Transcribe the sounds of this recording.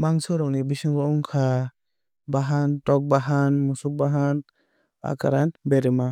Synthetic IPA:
maŋsɔɾɔk̚nibisiŋɡɔɔŋkʰa | baɦantɔk̚baɦanmusuk̚baɦan | a̰kaɾanbɛɾɛma

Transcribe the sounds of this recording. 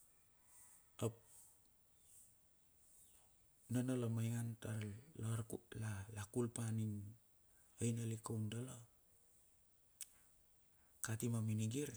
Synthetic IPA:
op̚ | nonolomajŋantaɾloɾulalakulpanin | ojnalikowndolo | katimaminiɡiɾ

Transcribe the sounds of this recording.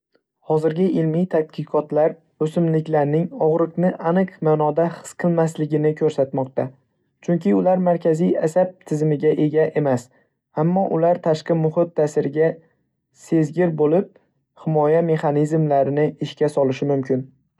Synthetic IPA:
hɒzɪɾɡʲɪʔɪlmijt̪ʰat̪̚qʰɨqʰɒt̪laɾ | ɵsɪmlɪkʲlaɾnɪŋɒʁɾɨqnɪʔanɨqmaːnɒd̪ahɨ̥sqʰɨlˠmaslɪɡʲɪnɪkʰɵɾsat̪mɒq̚t̪a | t͡ʃʰʊŋkʲɪʊlaɾmaɾkʲʰazijasab̚t̪ʰɪzmɪɡʲaʔe̞ɡʲaʔe̞mas | amːɒʔʊlaɾt̪ʰaʃqɨmʊhɪt̪̚ːasɪɾɪɡʲa | se̞zɡʲɪɾbolɪp̚ | hɪmɒjame̞χɑnizmlaɾɪnɪɪʃkʲasɒlɪʃɪmʊmkʲɪn

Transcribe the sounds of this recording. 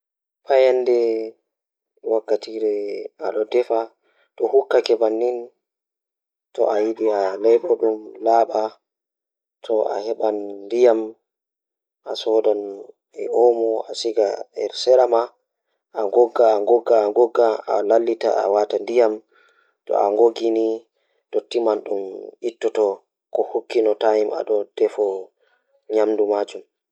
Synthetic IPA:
pʰajandɛ | wakːatiːɾɛa̰ɗɔdɛfa | tɔhukːakɛbanːin | tɔ̰ʔajiɗialɛjɓɔɗumlaːɓa | tʰɔa̰hɛɓanːdijam | ʔasɔdɔn | ɛ̰ɔmɔasiɡaɛɾsɛɾama | aŋɡɔɡːaːŋɡɔɡːaːŋɡɔɡːaa̰lalːita̰a̰watandijam | tɔ̰a̰ŋɡoɡini | totːimanɗumitːɔtɔ | kɔhokːinɔtajima̰ɗɔd̥ɛfɔ | ɲamdumaːd͡ʒum

